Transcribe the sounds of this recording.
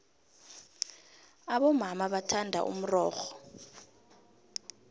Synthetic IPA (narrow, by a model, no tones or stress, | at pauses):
aɓɔmamaɓatʰandʱa̰ʔṵm̩rɔːxɔ̥